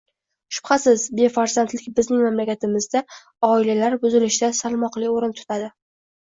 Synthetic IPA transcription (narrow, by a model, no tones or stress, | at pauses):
ʃʊ̥b̥χasɪzbe̞faɾzant̪lɪkʲbɪznɪŋmamlakʲat̪ʰɪmɪzd̪a | ɒɪlalaɾbʊzɪlɪʃɪd̪asalˠmɒqlɪoɾɪnt̪ʰʊ̥t̪ʰad̪ɪ